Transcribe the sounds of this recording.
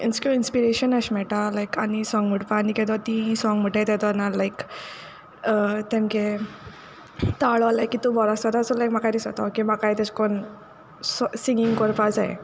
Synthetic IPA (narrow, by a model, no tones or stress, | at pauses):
inskinspiɾeɕənəɕmɛɭʈalajkañisɔ̃ŋɡm̤əʈpanikɛt̪ɔt̪ĩsɔ̃ŋɡm̤əʈet̪ɛt̪ɔnalajk | ət̪ẽmke | t̪aɭɔlajkit̪ũbɔɾasat̪asulajkmakajnisɔt̪akimakajt̪ɛt͡skon | sɔsĩŋɡĩŋɡkɔɾpad͡zajḛ